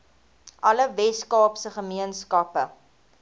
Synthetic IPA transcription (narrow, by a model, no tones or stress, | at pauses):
ʔɐləvɛskɑːpsəχəmiənskɐpə